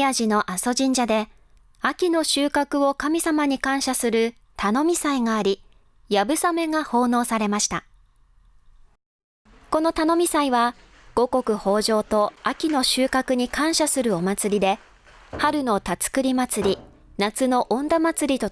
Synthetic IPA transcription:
aʑino̞ʔaso̞ʑĩɲ̟d͡ʑad̪e̞ | akʲino̞ɕɨːkakɯ̟o̞kamʲisamaɲ̟ikãɰ̃ɕasɨɾɯ̟ | t̪ʰano̞mʲisaiŋaːɾʲi | jabɯ̟same̞ŋaho̞ːno̞ːsaɾe̞maɕi̥t̪a̰ | ko̞no̞t̪ano̞mʲisaiβa | ɡ̥o̞ko̞kɯ̟ho̞ːʑo̞ːt̪o̞akʲino̞ɕɨːkakɯ̟ɲ̟ikãɰ̃ɕasɨɾɯ̟o̞mat͡sɨɾʲid̪e̞ | haɾɯ̟no̞t̪at͡sɨ̥kɯ̟ɾʲimat͡sɨɾʲi | nat͡sɨno̞ʔõnd̪amat͡sɨɾʲit̪o̞

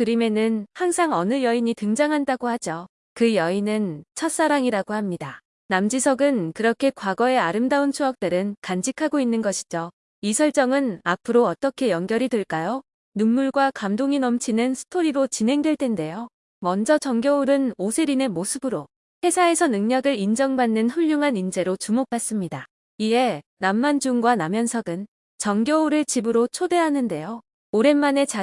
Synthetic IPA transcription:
kɯɾime̞nɯnhaŋsʰaŋʌnɯjʌiɲitɯŋd͡ʑaŋɦandaɡohad͡ʑʌ | kɯjʌinɯnt͡ɕʰʌt̚s͈aɾaŋiɾaɡohamɲida | namd͡ʑisʰʌɡɯnkɯɾʌkʰe̞kwaɡʌe̞aɾɯmdaunt͡ɕʰuak̚t͈ɯɾɯnkand͡ʑikʰaɡoinːɯnɡʌɕʰi̥d͡ʑo | isʰʌɭt͡ɕ͈ʌŋɯnapʰɯɾoʌt͈ʌkʰe̞jʌŋɡjʌɾideɭk͈ajo | nuŋmuɭɡwakamdoŋinʌmt͡ɕʰinɯnsʰɯ̥tʰoɾiɾot͡ɕinɦe̞ŋdwe̞ɭt͈e̞nde̞jo | mʌnd͡ʑʌt͡ɕʌŋɡjouɾɯnosʰeɾine̞mosʰɯbɯɾo | ɸe̞sʰae̞sʰʌnɯŋɲʌɡɯɾind͡ʑʌŋbanːɯnɸuʎːuŋɦanind͡ʑe̞ɾot͡ɕumok̚p͈as͈ɯmɲida | ie̞ | namːand͡ʑuŋɡwanamjʌnsʰʌɡɯn | t͡ɕʌŋɡjouɾɯɭt͡ɕibɯɾot͡ɕʰode̞ɦanɯnde̞jo | oɾe̞nmane̞t͡ɕa

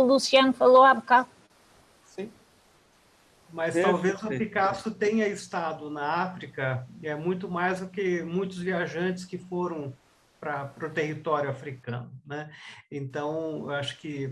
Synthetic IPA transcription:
lusiɐ̃nʊfaloabka | sĩ | mɐst̪awvezɐpikasʊt̪ẽɲɐɪst̪ad̪ʊnɐafɾikɐɛmũj̃t̪ʊmajzd̪ʊkɪmũj̃t̪ʊzviaʒɐ̃t͡ʃɪskɪfoɾɐ̃w̃ | pɾɐpɾʊt̪ehit̪ɔɾjʊafɾikɐ̰̃nʊnɛẽnt̪ɐ̃w̃ḛwaʃʊ̥kɪ

